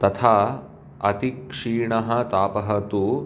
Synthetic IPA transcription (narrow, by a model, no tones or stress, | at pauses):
t̪ɐt̪ʰaː | ɐt̪ikʂiːɳɐɦɐ̆t̪aːpɐɦɐt̪u